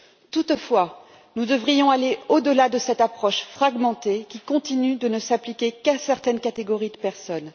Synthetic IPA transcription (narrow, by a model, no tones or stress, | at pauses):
t̪ut̪fwa | nud̪əvʁijɔ̃aleod̪əlad̪əsɛt̪apχɔʃfχaɡmɑ̃t̪ekʲikɔ̃t̪inyd̪ənəsaplikʲekasɛʁt̪ɛnkat̪eɡɔʁid̪əpɛʁsɔn